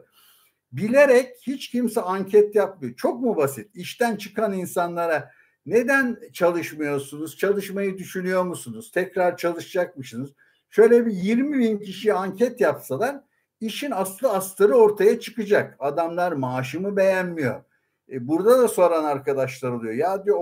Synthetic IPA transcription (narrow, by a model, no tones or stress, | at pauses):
bilʲeɾɛchit͡ʃcʰimsɛaɲcʰɛt̪jap̚mɯjot͡ʃʰo̞k̚mubasit̪iʃt̪ænt͡ʃʰɯkʰaninsanlˠaɾa | ne̞d̪ænt͡ʃʰalˠɯʃmɯjo̞sunuz̥t͡ʃʰalˠɯʃmajɯd̪yʃynyjo̞ɾmusunuz̥t̪ʰɛcɾaɾt͡ʃʰalˠɯʃɯd͡ʒak̚mɯʃɯnuz̥ | ʃø̞jlʲɛbijiɾmibincʰiʃijaɲcʰɛt̪japsalˠaɾ | iʃinasˠaast̪ʰaɾɯo̞ɾt̪ʰajat͡ʃʰɯ̥kɯd͡ʒakad̪amlˠaɾmaːʃɯmɯbe̞jænmijo̞̰ | buɾd̪ad̪aso̞ɾanaɾkad̪aʃlˠaɾolˠujojaːd̪i